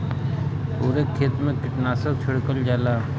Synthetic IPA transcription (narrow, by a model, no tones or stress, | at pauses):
puːɾekʰːeːt̪mẽkɪʈnaːsəkt͡ʃʰoɽkəld͡ʒaːlaː